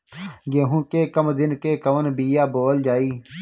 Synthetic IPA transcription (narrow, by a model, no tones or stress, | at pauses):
ɡẽːɦũːkeːkəmd̪ɪnkeːkəʋənbiːjaːboːld͡ʒaːiː